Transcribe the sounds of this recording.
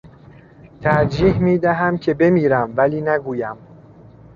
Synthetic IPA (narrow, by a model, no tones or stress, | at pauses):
t̪ʰæɾd͡ʒiːhmiːd̪æɦæmcʰe̞be̞miːɾæmvæliːnæɡuːjæm